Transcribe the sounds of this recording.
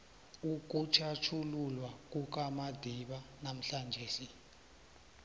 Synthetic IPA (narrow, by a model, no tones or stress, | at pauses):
uk̬ʼut͡ʃʰat͡ʃʰululwak̬ʼuk̬amad̥ʱiɓanam̩ɬand͡ʒʱeːsi